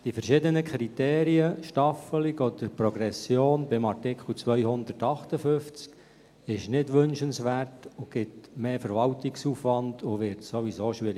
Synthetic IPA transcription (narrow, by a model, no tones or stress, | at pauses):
d̥ifɛrʃɪdənəkʰɾiteːɾiəʃtɑfəlɪɡɔd̥̪əɾpɾɔɡɾɛsːjoːnbɪmɑrtɪkχl̩t͡sʋœʏhʊndərtɑχtəfʏft͡sk | ɪʃnɪdʋʏnʃənsʋærtʊɡ̥ɪtmeːfəɾʋɑltɪksuːfʋɑndʊʋɪɾtsoʋisoːʃʋɪɾɪ